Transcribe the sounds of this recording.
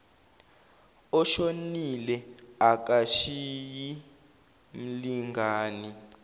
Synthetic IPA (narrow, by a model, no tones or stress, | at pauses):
ɔʃonilɛak̬aʃiji | mm̩liŋɡʱaːni